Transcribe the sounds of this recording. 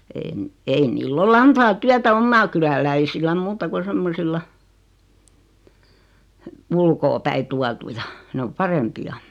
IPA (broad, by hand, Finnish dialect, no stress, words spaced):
en ei nilː ol ɑntɑː tyætæ omːɑː kylælæisilːæm muːtɑ ku semːosilːɑ ulkoːpæi tuɑtujɑ nĕ om pɑrempiɑ